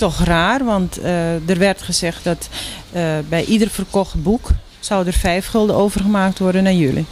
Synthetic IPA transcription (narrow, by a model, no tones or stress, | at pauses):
tɔxraːrʋɔntdərʋɛrtχəzɛxt̚dɔt | bɛjʔidərfərkɔxt̚buk | sɔwdərfɛjfxɵlˠdəʔoːvərɣəmaːk̚tʋɔrdənajølḭ